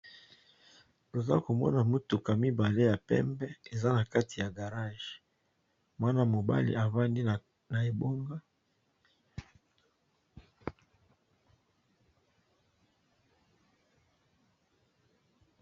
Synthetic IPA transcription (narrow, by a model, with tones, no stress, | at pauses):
to˨za̰˦ko˨mɔ̰˦na˨mu˦tu˨ka˨mi˦ba˨le˦ja˨pɛ̰˦mbɛ˦e˨za˦na˨ka˦ti˨ja˨ɡa˨ʁa˦˨ʒ | mwa˦na˦mo˨ba̰˦lḭ˨a˨va˦ndi˦ | na˨e˨bo˦ŋɡa˦